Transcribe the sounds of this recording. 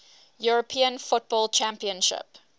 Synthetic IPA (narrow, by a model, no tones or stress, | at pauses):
juɹəpʰĩə̃nfʊt̚b̥ɔlˠt͡ʃʰæ̃mpiə̃nʃɪ̰p